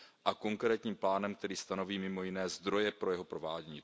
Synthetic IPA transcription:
ʔako̞ŋkɾɛːt̪ɲiːmplaːnɛmkt̪ɛɾiːst̪ano̞viːmɪmo̞jɪnɛːzd̪ɾo̞jɛpɾo̞jɛɦo̞pɾo̞vaːɟɛɲiː

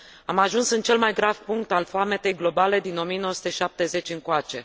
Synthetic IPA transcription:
amaʒunsɨnt͡ʃe̞lmajɡɾav̥puŋk̚t̪alfoame̞t̪ejɡlo̞bale̞d̪ino̞mijenoəsu̥t̪eʃap̚t̪e̞ze̞t͡ʃʲɨŋkoat͡ʃe̞

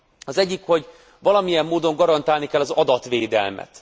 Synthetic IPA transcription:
ɒzɛɟːikho̞ɟ | ʋɒlɒmijɛmːoːd̪o̞ŋɡɒɾɒnt̪aːlnikɛlːɒzɒd̪ɒt̪ʋeːd̪ɛ̰lmɛ̰t̪

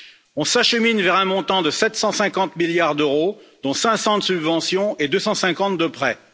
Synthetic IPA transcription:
ɔ̃saʃəminvɛʁɛ̃mɔ̃t̪ɑ̃d̪əsɛt̪sɑ̃sɛ̃kɑ̃t̪miljaʁd̪øʁod̪̥ɔ̃sɛ̃sɑ̃d̪əsybvɑ̃sjɔ̃ed̪øsɑ̃sɛ̃kɑ̃t̪̚d̪əpχɛ

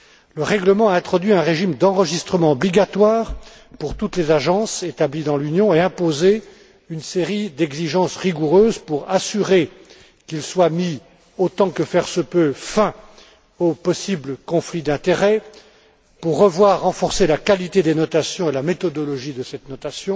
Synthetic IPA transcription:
ləʁɛɡləmɑ̃aɛ̃t̪χɔd̪ɥiɛ̃ʁeʒimd̪ɑ̃ʁəʒist̪χəmɑ̃ɔbliɡat̪waːʁ | puʁt̪ut̪lezaʒɑ̃set̪ablid̪ɑ̃lynjɔ̃eɛ̃poze | ynseʁid̪ɛɡziʒɑ̃sʁiɡuʁøːzpuʁasyʁe | kʲilswami | ot̪ɑ̃kəfɛʁsəpøfɛ̃ | opɔsibləkɔ̃flid̪ɛ̃t̪eʁɛ | puʁːəvwaʁːɑ̃fɔʁselakalit̪ed̪enɔt̪asjɔ̃elamet̪ɔd̪ɔlɔʒid̪əsɛt̪nɔt̪asjɔ̃

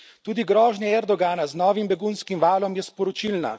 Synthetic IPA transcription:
t̪uːd̪iɡɾɔːʒnʲɛɛɾd̪ɔɡaːnaznɔːʋimbɛɡunskimʋaːlɔmjɛspɔɾɔt͡ʃilna̰

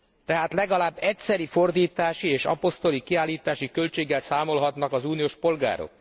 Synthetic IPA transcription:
t̪ɛɦaːt̪lɛɡɒlaːbːɛcsɛɾifo̞rd̪iːt̪aːʃieːʃɒ̰po̞st̪o̞likiaːlːiːt̪aːʃikø̞lt͡ʃeːɡːɛlsaːmo̞lɦɒt̪nɒkɒzuːnijoːʃpo̞lɡa̰ːɾo̰k

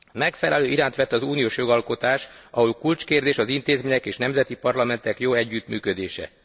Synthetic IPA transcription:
mɛkfɛlɛløːiɾaːnt̪ʋɛt̪ːɒzuːnijoːʃjo̞ɡɒlko̞t̪aːʃɒɦolkult͡ʃkeːrd̪eːʃɒzint̪eːzmeːɲɛkeːʃnɛmzɛt̪ipɒrlɒmɛnt̪ɛkjoːɛɟːyt̪myːkød̪eːʃɛ̰

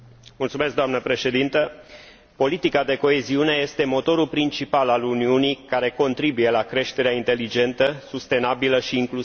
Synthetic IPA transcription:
mult̪sume̞sk̚d̪oamnəpɾe̞ʃe̞d̪int̪ə | po̞lit̪ikad̪e̞ko̞eziune̞je̞st̪e̞mo̞t̪o̞ɾulpɾint͡ʃipalaluniunijkaɾe̞ko̞nt̪ɾibuje̞lakɾe̞ʃt̪e̞ɾeaint̪e̞lid͡ʒe̞nt̪əsust̪e̞nabiləʃiːŋklu

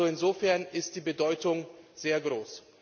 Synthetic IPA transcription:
oɪnzoːfɛɐnɪst̚d̥iːbədɔʏtʊŋz̥eːɐɡʁoːs

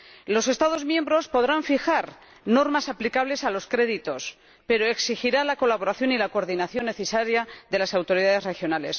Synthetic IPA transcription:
lo̞se̞st̪aðo̞zmjẽ̞mbɾo̞spo̞ðɾaɱfixaɾ | no̞ɾmasaplikaβle̞salo̞skɾe̞ðit̪o̞s | pe̞ɾo̞e̞ksixiɾalako̞laβo̞ɾaθjo̞nilakoɾðinaθjo̞nːe̞θesaɾjaðe̞lasawt̪o̞ɾiðaðe̞sre̞xjo̞nale̞s

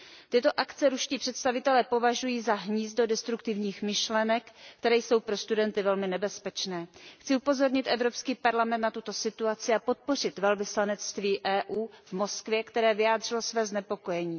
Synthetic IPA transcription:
t̪ɪt̪o̞ʔakt͡sɛɾuʃciːpr̥ɛt̪st̪avɪt̪ɛlɛːpo̞vaʒujiːzaɦɲiːz̚do̞dɛst̪ɾukt̪ɪvɲiːxmɪʃlɛnɛkːt̪ɛɾɛːjso̞wpɾo̞st̪udɛnt̪ɪvɛlmɪnɛbɛspɛt͡ʃnɛːxt͡sɪupo̞zo̞ɾɲɪt̪ʔɛvɾo̞pskiːpaɾlamɛnt̪nat̪ut̪o̞sɪt̪uat͡sɪapo̞t̪̚po̞r̝ɪt̪vɛlvɪslanɛt͡st̪viːʔɛːʔuːvmo̞skvjɛkt̪ɛɾɛːvɪjaːd̪r̝ɪlosvɛːznɛpo̞ko̞jɛɲiː

